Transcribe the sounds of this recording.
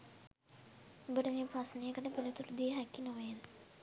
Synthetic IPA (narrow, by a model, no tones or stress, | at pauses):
obəʈəmeːprasnejəkəʈəpələt̪uɾud̪iəɦækːinoʋejen